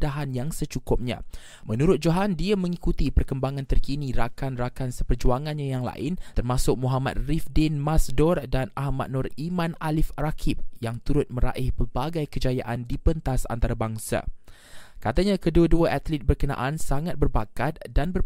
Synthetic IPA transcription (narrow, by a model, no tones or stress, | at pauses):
daɦanjaŋsət͡ʃukʊp̚ɲã̰ | mənuɾʊt̪̚d͡ʒoɦandiamə̃ŋikut̪ipərkəmbaŋãnt̪ərkiniɾakanrakansəpərd͡ʒuaŋanɲajaŋla̰ʔɪnt̪ərmasʊk̚muɦama̰t̪̚rifdɪnmasdɔrdanahmat̪̚nʊrimanalɪfrakʰip̚jaŋt̪uɾʊt̪̚mə̃ɾa̰ʔɪhpəbaɡajkəd͡ʒaja̰ʔandipənt̪asa̰nt̪aɾabaŋsa̰ | kat̪aɲakəduəduaʔat̪lit̪̚bərkənã̰ʔansaŋat̪̚bərbakat̪̚danbər